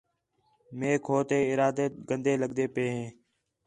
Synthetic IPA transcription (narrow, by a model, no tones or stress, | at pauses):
meːkʰoːt̪eːɪɾaːd̪eːɡənd̪eːləɡd̪eːpeːɦẽː